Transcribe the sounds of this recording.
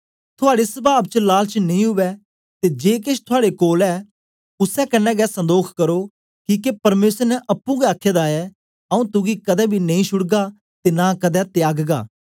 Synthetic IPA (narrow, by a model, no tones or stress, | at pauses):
t̪ʰʊaːɽesɐbaːb̚t͡ʃəlaːlt͡ʃənɐĩɦʊʋɛ | t̪ed͡ʒeːkɪʃʰt̪ʰʊaːɽekoːlɛː | ʊsɛkɐnːɛɡɛsɐ̃nd̪oːkʰkɐɾoː | kiːkepɐɾmeːsəɾnɛʔɐpːũɡɛaːkʰːeːd̪aːɛ | ɐũt̪ʊɡikɐd̪ɛbʱinɐĩʃʊɽɡa | t̪enakɐd̪ɛt̪jaːɡɡa̰ː